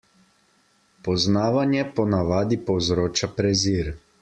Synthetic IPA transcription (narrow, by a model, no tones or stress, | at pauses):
pɔznaːʋanjɛpɔnaʋaːd̪ipɔwzɾoːt͡ʃapɾɛziːɾ